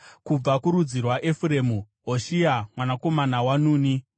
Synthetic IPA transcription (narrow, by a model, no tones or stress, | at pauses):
kub͡vakuɾud͡zirwaʔefuɾe̞ːmu | ɦoʃiamwanako̞manawanuːni